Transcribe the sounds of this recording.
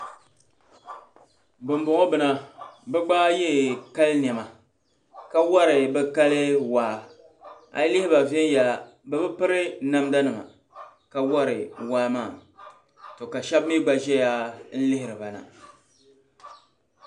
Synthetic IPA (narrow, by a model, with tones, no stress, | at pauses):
bɨ˨m˨bʊ˨ŋɔ˦bɨ˨na˨bɛ˦ɡ͡baː˦jɛ˦˨ka˦lɨ˦n˨ɛ˨ma˨ | ka˦wa˦ɾɪ˨bɛ˦ka˦lɨ˦waː˨˦˨ | a̰˨˦lɪ˦hɪ˦ba˨vɛ˦n˦ja˨ | bɛ˦bɨ˦pɨ˦ɾɨ˦na˦mda˦nɨ˨ma̰˨ | ka˨wa˦ɾɨ˨waː˦maː˦˨ | to˨ka˨ʃɛ˦bmi˦ɡ͡ba˦ʒɛ˦ja˦n̩˦lɪ˦hɪ˨ɾɨ˨ba˨na̰˨